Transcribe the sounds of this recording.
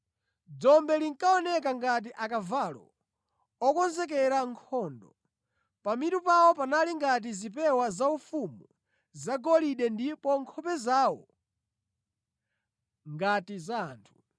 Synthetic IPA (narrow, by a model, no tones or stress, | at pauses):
d͡zɔmbɛliŋkaɔnɛk̬aŋɡat̬iʔakavalɔ̰ | ɔkɔnzɛk̬ɛɾaŋkʰɔndɔ | pamitupawɔpanaliŋɡat̬izipɛwazaufumu | zaɡɔliɗɛndipɔŋkʰɔpɛzaːwɔ̰ | ŋɡatiza̰ːntʰu̥